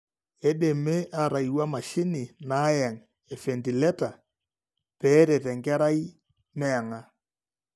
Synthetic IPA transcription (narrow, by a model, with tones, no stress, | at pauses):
e˦ɗe˨me˦ʔa˨ɾa˨iwa˦ma˨ʃɪ˦ni˨na˨˦jɛ˨ŋ | e˨fe˨nti˨lɛ˦ta˨ | pɛː˨˦ɾe˨tɛ˨ŋkɛ˦ɾa˦i˦ | mɛː˦˨ŋa˦